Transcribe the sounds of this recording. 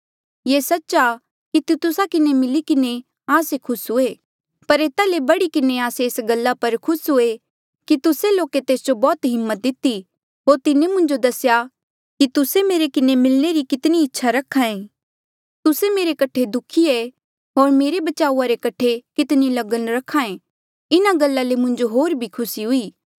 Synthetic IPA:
jeːsɐtːʃa | kit̪t̪ʊsakɪnemɪlikɪne | aːsekʰʊsɦʊeː | pɐɾeːt̪alebɐɽikɪneaːseːsɡɐlːapɐɾkʰʊsɦʊe | kit̪ʊseloːket̪eːsd͡ʒobɔːt̪ɦɪmːət̪̚d̪ɪt̪ːi | ɦoːɾt̪ɪnemʊ̃ɲd͡ʒod̪ɐsja | kit̪ʊsemeːɾekɪnemɪlneɾikɪt̪niɪtːʃʰaɾɐkʰːãẽ | t̪ʊsemeːɾekɐʈʰed̪ʊkʰiɛ | ɦoːɾmeːɾebɐt͡ʃaːuaɾekɐʈʰekɪt̪nilɐɡənɾɐkʰːãːẽ | ɪnaɡɐlːalemʊ̃ɲd͡ʒoɦoːɾbʱikʰʊsiɦʊiː

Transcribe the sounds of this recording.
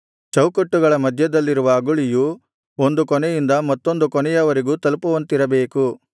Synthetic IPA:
t͡ʃɐwkɐʈːuɡɐɭɐmɐd̪ʱjɐd̪ɐlːiɾuʋɐːɡuɭiju | ond̪ukɔnɛjind̪ɐmɐt̪ːo̞nd̪ukɔnɛjɐʋɐɾiɡuːt̪ɐlupuʋɐnt̪iɾɐbe̞ːku

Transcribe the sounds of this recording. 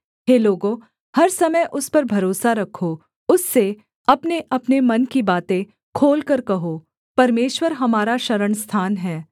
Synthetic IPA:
ɦeːloːɡõ | hɐɾsɐməjʔʊspɐɾbʱɐɾoːsaɾɐkʰo | ʊsːe | ɐpneʔɐpnemɐnkibaːt̪ẽ | kʰoːlkɐɾkɐɦo | pɐɾmeːʃwəɾɦɐmaːɾaʃɐɾəɳst̪ʰaːnɦɛː

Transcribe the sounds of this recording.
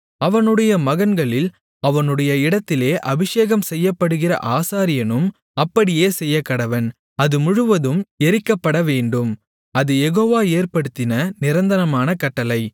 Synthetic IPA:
ɐʋɐnɯɽɐjɐmɐɣɐnɡɐɭɪl | ɐʋɐnɯɽɐjɐɪɽɐt̪ːɪleːʔɐbɪʂeːɣɐmsɛjːɐpːɐɽɯɣɪrɐ̰ʔaːsaːɾɪjɐnɯm | ɐpːɐɽɪjeːsɛjːɐkːɐɽɐʋɐn | ɐðɯmʊɻʊʋɐðɯmɛɾɪkːɐpːɐɽɐʋeːɳɖɯm | ɐðɯjɛɣoːʋaːeːrpɐɽɯt̪ːɪnɐnɪɾɐnd̪ɐnɐmaːnɐkɐʈːɐlɐɪ

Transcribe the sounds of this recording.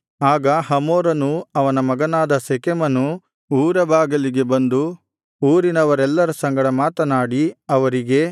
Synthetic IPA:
aːɡɐɦɐmoːɾɐnuɐʋɐnɐmɐɡɐnaːd̪ɐsekemɐnu | uːɾɐbʱaːɡɐliɡe̞bɐnd̪u | uːɾinɐʋɐɾɛlːɐɾɐsɐŋɡɐɽɐmaːt̪ɐnaːɽiɐʋɐɾiɡe̞

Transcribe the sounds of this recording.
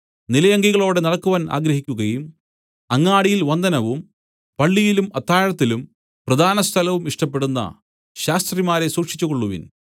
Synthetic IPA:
nilɐjɐŋɡiɣɐɭo̞ːɽenɐɽɐkːuʋaːnʔa̰ːɡɾɐɦikʲːuɣɐjum | ɐŋːaːɽijilʋɐnd̪ʱɐnɐʋum | pɐɭːijilumɐt̪ːaːjɐɻɐt̪ːilum | prɐd̪ʱaːnɐst̪ʰɐlɐʋumiʂʈɐpːe̞ɽunːɐ̰ | ɕaːst̪rimaːɾe̞suːkʂi̥t͡ɕːuko̞ɭːuʋḭn

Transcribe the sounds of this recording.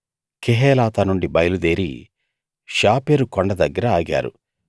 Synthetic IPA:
kʰeɦɛːlaːt̪ɐnuɳɖibɐjɐlud̪eːɾḭ | ʃaːpeːɾukɔɳɖɐd̪ɐɡːɐɾɐaːɡa̰ːɾṵ

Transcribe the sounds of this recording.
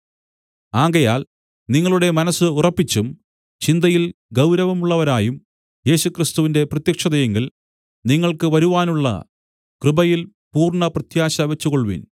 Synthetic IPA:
aːɡɐjaːl | niŋːɐɭuɽe̞mɐnɐsːɨurɐpːit͡ɕːum | t͡ɕind̪ɐjilɡɐwɾɐʋɐmuɭːɐʋɐɾaːjum | je̞ːɕukrist̪uʋinde̞prɐt̪jɐkʂɐðɐjeŋɡil | niŋːɐɭkɨʋɐɾuʋaːnuɭːɐ̰ | krɨbɐjil | puːrɳɐprɐt̪jaːɕɐʋet͡ɕːukoɭʋḭn

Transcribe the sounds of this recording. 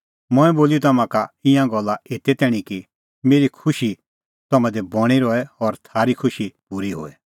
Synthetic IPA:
mʊ̃ɛ̃boːliot̪ɐmãkaɪ̃ãɡɔlːaet̪ɛt̪ɛːɽ̃iki | meːɾikʰʊʃi | t̪ɔmãd̪ɛbɔɽ̃iɾɔɛɔɾt̪ʰaːɾikʰʊʃipuɾiɦo̰ːɛ

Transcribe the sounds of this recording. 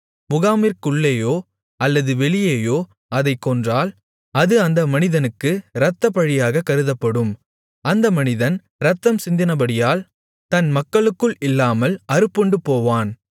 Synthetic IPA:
mʊɣaːmiɾkʊɭːeːjoː | ɐlːɐðɯʋɛɭɪjeːjoː | ɐðɐɪkːɔndraːl | ɐðɯɐnd̪ɐmɐnɪðɐnɯkːɯɾɐt̪ːɐpɐɻɪjaːɣɐkːɐɾɯðɐpːɐɽɯm | ɐnd̪ɐmɐnɪðɐn | ɾɐt̪ːɐmsɪnd̪ɪnɐbɐɽɪjaːl | t̪ɐnmɐkːɐɭɯkːɯɭɪlːaːmɐlɐɾɯpːɔɳɖɯpoːʋaːn

